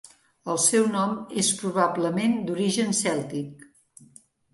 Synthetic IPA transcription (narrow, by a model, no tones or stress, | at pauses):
əlˠsɛwnɔmespɾuβabləmend̪uɾiʒənsɛlˠt̪ik̚